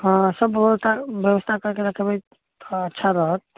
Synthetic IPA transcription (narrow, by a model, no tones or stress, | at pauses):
ɦə̃səbəst̪ʰabjəwəst̪ʰakəɾkeɾəkʰebəj | ətːʃʰaɾəɦət̪̚